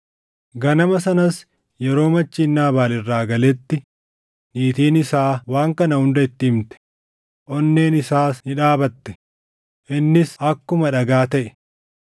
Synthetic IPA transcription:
ɡɐnɐmɐsɐnɐs | jɛɾo̞ːmɐt͡ʃːiːnːaːbaːlɪrːaːɡɐlɛt̪ːɪ | niːt̪iːnɪsaːwaːŋkɐnɐhʊnd̪ɐɪt̪ːɪɪmt̪ɛ̥ | ʔɔnːe̞ːnɪsaːsnɪᶑaːbɐt̪ːɛ̥ | ʔɪnːɪsɐkːʊmɐᶑɐɡaːt̪ɐʔɛ̥

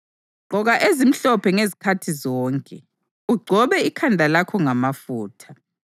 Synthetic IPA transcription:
ɡ͡ǀʱɔɣaʔezim̩ɬɔpʰɛŋezikʰatʰizɔːŋkʼɛ | uɡ͡ǀʱɔβɛikʰandʱalakʰɔŋamafuːtʰa

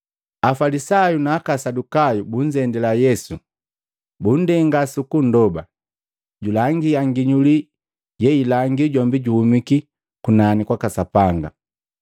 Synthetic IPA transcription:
afalisajunaːkasadukajubuɲ̩d͡ʒɛndɛlajɛsu | bun̩dɛŋɡasukun̩dɔba | ɟulaŋɡiaŋɡiɲuli | jɛilaŋɡiɟɔmbiɟuhumiki | kunanikwakasapaŋɡa̰

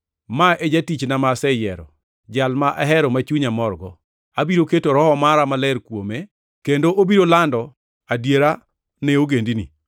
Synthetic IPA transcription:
maed͡ʒatit͡ʃnamasɛjɛ̰ɾɔ̰ | d͡ʒalmaʔaɦɛɾɔmat͡ʃuɲamɔrɡɔ̰ | abiɾoketoɾɔhɔmaɾamalɛɾkwome | kendoʔobiɾolandɔ | adjeɾa | nɛoɡendini

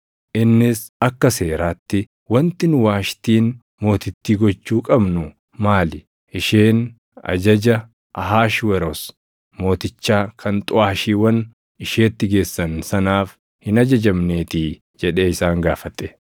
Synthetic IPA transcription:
ʔɪnːɪsɐkːɐse̞ːɾaːt̪ːɪ | wɐnt̪ɪnʊwaːʃt̪iːn | mo̞ːt̪ɪt̪ːiːɡɔt͡ʃːuːkʼɐbnʊ | maːlɪ | ʔɪʃeːn | ɐ̰d͡ʒɐd͡ʒɐ | ʔɐɦaːʃwɛɾɔs | mo̞ːt̪ɪt͡ʃːaːkʰɐnt̪ʼʊaːʃiːwɐn | ɪʃeːt̪ːɪɡe̞ːsːɐnsɐnaːf | hɪnɐd͡ʒɐd͡ʒɐmne̞ːt̪iː | d͡ʒɛᶑe̞ːɪsaːŋɡaːfɐt̪ɛ̥

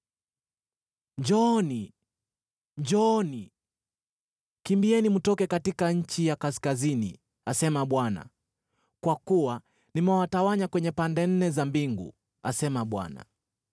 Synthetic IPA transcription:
ɲd͡ʒɔni | ɲd͡ʒɔni | kimbiɛnimutɔkɛkatikaɲ̩t͡ʃijakaskazinḭ | asɛmaɓwana̰ | kwakuwa | nimɛwatawaɲakwɛɲɛpandɛn̩nɛzambiŋɡṵ | a̰sɛmaɓwa̰na̰

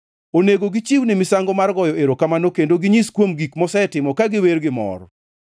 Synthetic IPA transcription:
oneɡoɡɪt͡ʃiwnimɪsaŋɡɔmarɡɔjɔeɾokamanokendoɡɪɲiskwomɡikmɔsɛtɪmɔkaɡɪwerɡɪmɔ̰r

